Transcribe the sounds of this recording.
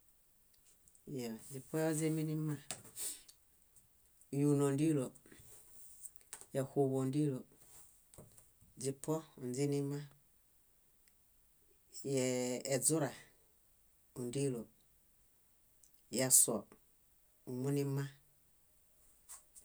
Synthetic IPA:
ja˨d͡ʒi˨pɔ˦jo˦ze˦mi˦ni˦ma˦˨ | ju˨no˨ndi˦lo˨ | ja˨hu˨βo˨ndi˦lo˨ | d͡ʒi˨pʰɔ˦u˨nd͡zi˦ni˦ma˦ | jɛː˨d͡zu˦ɾa˨ | u˨ndi˦lo˨ | ja˨sɔ˨ | u˨mu˦ni˦ma˦

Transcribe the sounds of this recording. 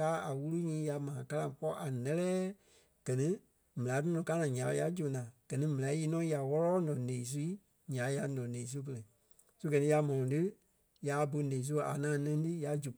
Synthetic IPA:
kaː˦a˨wu˦lu˦ɲĩː˨˦ja˨˧mãː˨ka˧lã˧˨pɔ˦ʔa˨nɛ˦lɛː˦ | ɡ̥ɜ˨nĩ˦ | mɛ̃˨ã˨˦tɨ˦nɔ̃˨ka˦nãː˨ɲã˨˦˧ja˧˦d͡ʒo˨nãː˨ɡ̥ɜ˨nĩ˦mɛ̃˨ã˨˦ji˧˦nɔ̃˦ja˨wɔ˦lɔː˦nɔ̃˨nẽː˨i˨˦s̬u˧˦i˦ | ɲã˨˦ja˧˦nɔ̃˨nẽː˨i˦s̬u˦p̬ə˧lɛ˨ | su˦ɡɜ˨nĩ˦ja˧mɔ̃˨ɔ̃˨tɨ˦ | ja˨bo˧˦nẽː˨s̬u˦˨a̰˨nãː˨nɛ̃˧˦tɨ˦ja˨˧d͡ʒu˨

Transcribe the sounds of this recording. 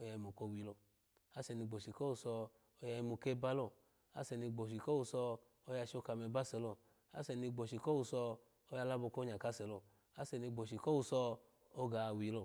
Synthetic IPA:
o˧ja˧i˧mo˨ko˧˨wi˨˧lo˧˨ | a˦sɛ˧ni˧ɡ͡bo˨ʃi˨ko˦wu˧sɔ˧ | o˧ja˧ji˧mu˧˨ke˦ba˦lo˦˧˨ | a̰˨˦sɛ˨˧ni˧ɡ͡bo˨ʃi˨ko˦u˧sɔ˧ | o˧ja˧ʃo˧˦ka˧mɛ˧ba˦sɛ˧lo˧˨ | a˦sɛ˧ni˧ɡ͡bo˨ʃi˨ko˦wu˧sɔ˧ | o˧ja˧la˦bo˧ko˦ɲa˨ka˨˦sɛ˨lo˧˨ | a˦sɛ˧ni˧ɡ͡bo˨ʃi˨ko˦wu˧sɔ˧ | o˧ɡa˨wi˨˧˦lo˧˨

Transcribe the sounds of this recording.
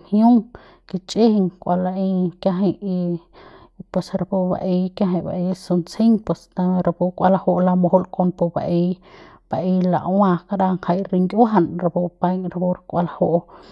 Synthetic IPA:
hju˦ŋ | ki˧t͡ʃʼe˦hi˨ŋkʷa˧la˧ʔi˧kja˧ɦi˧i˧ | pwe˧sɾa˧pu˧ba̰˨ʔi˧kja˧ɦĩ˧˨ba̰˨ʔi˧su˧nt͡si˦ŋpwe˧˨st̪a˧m˧ɾa˧pu˧kʷa˧la˧ho˧ʔla˧mo˧ho˧lko˧npo˧ba̰˧ʔi˧ | b̥a˨ʔi˧la̰˨ʔwã˧ka˧ɾa˧ŋka˧jɾi˧ŋɡʲa˦ɦa˧nɾa˧pu˧pa˧jŋɾapu˧ɾkʼʷa˧la˧ho˦ʔ

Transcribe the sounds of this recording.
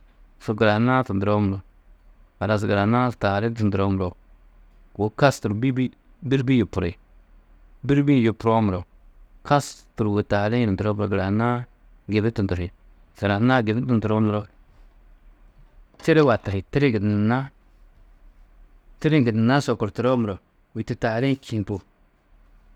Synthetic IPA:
so˨ɡɪ˨ɾa˨na˦tu˨ntɾo˦m˨ɾo˨ | a˨ɾa˨s̬i˨ɡa˨ɾa˨na˦sta˨ɾɪ˦n˦tɪ˨ndu˨ɾo˦m˨ɾo˨ | o˨˦ka˦stu˨ɾbi˦i˦ | bi˦ɾbi˦ju˨pu˨ɾe˨ | bi˦ɾbi˦ju˨pʊ˨ɾo˦m˨ɾo˨ | ka˦stu˨ɾu˨we˨ta˨lɪ˦˨tntu˨ɾo˦mɾo˨ɡɪ˨ɾa˨na˦ | ɡe˨bɪ˦tu˨tu˨hi˨ | sa˨ɾa˨na˦ɡɪ˨bɪ˦tu˨ntu˨ɾo˦mɾo˦ | t͡ʃe˦ɾe˦wa˨ta˨hɪ˨tɪ˦ɾɪ˦ɡɪ˨dna˦ | tɪ˦ɾi˦ɡɪ˨n˨na˦so˨ko˨ɾti˨ɾo˦m˨ɾo˨ | wi˨ti˨ta˨ɾi˦ki˨npu˨

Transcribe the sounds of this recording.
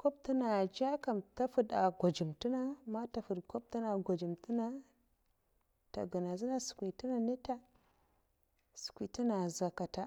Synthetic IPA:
ko˦b̚ti˦na˨d͡ʒa˦ka˨mta˦fu˦da˨ɡʷa˨d͡ʒi˨mti˦na˦ma˦ta˨fu˨dko˦b̚ti˦na˨ɡʷa˨d͡ʒi˨mti˦na˦ | ta̰˨ɡu˨na˨zi˦na˦su̥˨kʷi˨ti˦na˨ne˦ta˦ | su̥˨kʷi˨ti˦na˨za˨ka˨ta˨

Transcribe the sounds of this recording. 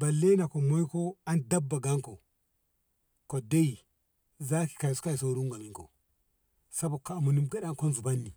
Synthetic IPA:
ba˨lːe˦na˨ko˨mo˦i˦ko˦a˦nda˦bːa˨ɡa˦ŋko˨ | ko˨da˦ji˨ | za˦ki̥˨ka˨i˨su̥˦ka˦i˨so˨˦ɾu˦ŋɡa˨mi˦ŋko̰˨ | sa˦bo˨ka˨mu˨ni˦mɡa˦ɗa˦ŋko˦nzu˨ba˦nːi˨

